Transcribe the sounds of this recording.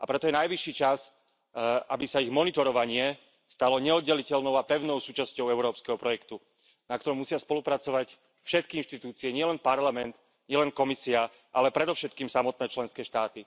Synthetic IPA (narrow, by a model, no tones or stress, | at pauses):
apɾɛt̪ɔjɛnajʋiʃːiːt͡ʃas | abisaiɣmɔnit̪ɔɾɔʋaɲɪɛ | st̪alɔɲɛɔd̪ɟɛlicɛlnɔʊapɛʊnɔʊsuːt͡ʃascɔʊɛʊɾɔːpskɛɦɔpɾɔjɛkt̪u | nak̚t̪ɔɾɔmːusɪaspɔlupɾat͡sɔʋac | fʃɛt̪kiinʃt̪it̪uːt͡siɛɲɪɛlɛnpaɾlamɛnt̪ | ɲɪɛlɛnkɔmisia | ʔalɛpɾɛd̪ɔʊʃɛt̪̚kiːmsamɔt̪̚nɛːt͡ʃlɛnskɛːʃt̪aːt̪i